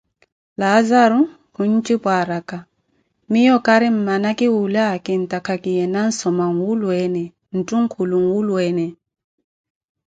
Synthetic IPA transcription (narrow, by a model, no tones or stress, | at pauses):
laːzaɾu | huɲ̩t͡ʃʼipwaɾaka | mijɔkaɾɪm̩manakɪwulakɪn̩takʰakijɛnan̩sɔmaŋ̩wulwɛnɛ | n̩tʼuŋ̩kʰuluŋ̩wulwɛnɛ